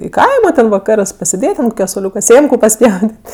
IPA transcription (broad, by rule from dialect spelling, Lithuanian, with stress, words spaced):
ɪ ˈkɐɪmoː tʲɛn ʋɐˈkɑːrɜs pɐsʲeːˈdʲeːtʲ ɐnt koːˈkʲɛ soːˈlʲuːkɐ ˈsʲeːmkʊ pɐˈsʲpʲjɛʊdʲeːtʲ